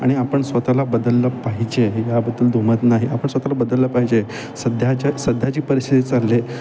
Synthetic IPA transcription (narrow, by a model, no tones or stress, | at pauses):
a̰ɽ̃iapəɳsʋət̪alabəd̪əlːəpaɦid͡ʑejabəd̪ːəld̪ʱomət̪naɦiapəɳsʋət̪alabəd̪əlːəpaɦid͡ʑe | səd̪ʱjat͡ɕasəd̪ʱjat͡ɕiːpəɾist̪ʰit̪it͡salːe